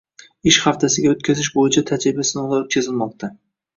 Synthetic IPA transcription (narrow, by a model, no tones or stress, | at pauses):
ɪʃχaft̪ʰasɪɡʲaot̪̚kʲʰazɪʃbojɪt͡ʃʰat̪ʰad͡ʒɾɪbasɪnɒlˠaɾɪp̚kʲʰezɪlmɒq̚t̪ʰa